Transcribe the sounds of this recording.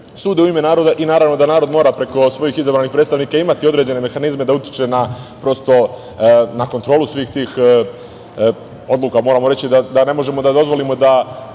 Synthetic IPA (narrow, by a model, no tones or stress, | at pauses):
suːd̪euime̞naːɾo̞d̪aʔinaːɾavno̞d̪anaːɾo̞d̪moɾapɾe̞ko̞sʋo̞jixizabɾanixpɾet̪st̪aʋnikaimat̪io̞d̪ɾe̞d͡ʑe̞ne̞me̞xanizme̞d̪aut̪ji̥t͡ʃe̞napɾo̞st̪o̞ | nakont̪ɾo̞ːlusʋiːxt̪iːx | o̞d̪luːkamoɾaːmo̞ɾe̞t͡ɕid̪ad̪ane̞mo̞ʒe̞mo̞d̪ad̪o̞zʋo̞limo̞d̪a